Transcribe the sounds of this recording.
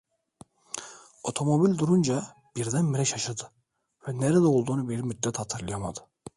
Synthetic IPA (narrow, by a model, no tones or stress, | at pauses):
o̞t̪ʰo̞mo̞bilʲd̪uɾund͡ʒa | b̥iɾd̪ænmiɾɛʃaʃad̪ɯ | vɛneɾɛd̪ɛo̞lˠd̪uːnubiɾmyd̪ːɛt̪hat̪ʰɯɾlˠɯjama̰d̪ɯ̥